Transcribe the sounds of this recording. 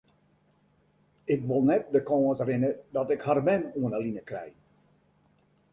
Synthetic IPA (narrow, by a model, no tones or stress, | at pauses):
ɪkʋolˠnɛt̚dəkɔətrɪnədɔtɪkharmɛnuənəlinəkrɛ̰j